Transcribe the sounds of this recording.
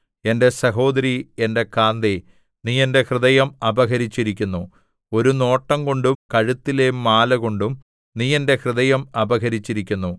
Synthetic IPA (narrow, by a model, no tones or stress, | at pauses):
e̞nde̞sɐɦo̞ːd̪ɐɾie̞nde̞kaːnd̪e | niːende̞krɨðɐjɐmɐbɐɣɐɾit͡ɕːiɾikʲːunːu | o̞ɾuno̞ːʈːɐŋko̞ɳɖumkɐɻut̪ːilemːaːlɐɣo̞ɳɖum | niːe̞nde̞hrɨðɐjɐmɐbɐɣɐɾit͡ɕːiɾikʲːunːu